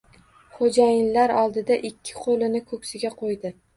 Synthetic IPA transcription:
χod͡ʒajɪnlaɾɒlˠd̪ɪd̪aʔɪkʲʰːɪ̥qʰolɪnɪkʰɵkʲsɪɡʲaqʰojd̪ɪ

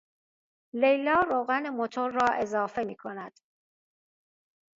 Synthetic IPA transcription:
le̞jlɒːɾoːɣænemot̪ʰoɾːɒːʔe̞zɒːfe̞miːkʰonæd̪̥

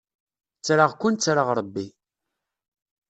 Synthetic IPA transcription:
t͡sːɾaʁkːʊnt͡sːɾaʁɾˤəbːi

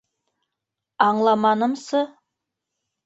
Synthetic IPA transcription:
ɑɴlˠɑmɑnəmsə

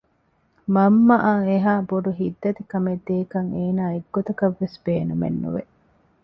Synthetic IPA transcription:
mɐmːɐʔaŋeɦaːboɖuɦid̪ːɐt̪ikɐmed̪ːeːkɐŋeːnaːeɡːot̪ɐkɐʋːesb̥eːnumḛnːṵʋḛ

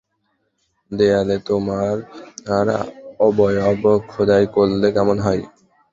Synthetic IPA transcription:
d̪ealet̪omaɾaɾa̰ɔbɔjɔbkʰod̪ajkolːekɛmonɦɔj

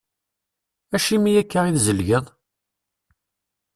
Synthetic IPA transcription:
æʃimijækːəʁiðzəlʝəðˤ

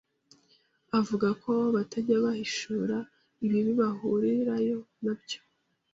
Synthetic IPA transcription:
avuɡakʰo̞βatʰaɟaβahiʃuɾa | iβiβiβahuɾiɾajo̞nabɟo̞̥

